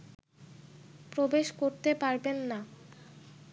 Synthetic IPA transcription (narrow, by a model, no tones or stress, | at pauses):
pɾobeʃkoɾt̪epaɾbenːa